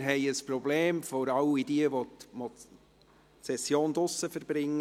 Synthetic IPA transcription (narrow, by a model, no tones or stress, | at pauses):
ɾɦɛɪəsprɔbleːmfɔɾɑʊidiəʋotmɔ | sɛsjoːnd̪ʊsːəfəɾb̥ɾɪŋːə